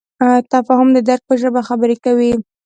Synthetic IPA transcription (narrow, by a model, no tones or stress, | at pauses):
t̪afɑhʊmd̪əd̪aɾk̚pəʒəbaxabəɾekawi